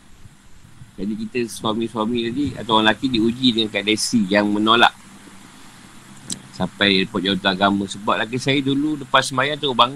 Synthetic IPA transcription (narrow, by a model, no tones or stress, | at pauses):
d͡ʒadikit̪əswamĩswamĩt̪adia̰t̪awalakidiud͡ʒidəŋankadɛsijaŋmə̃nola̰ʔ | sampajpɔt̪̚d͡ʒawat̪uaɡamə̃səbap̚lak̬isajəduludəpat̪səmajaŋt̪abaŋ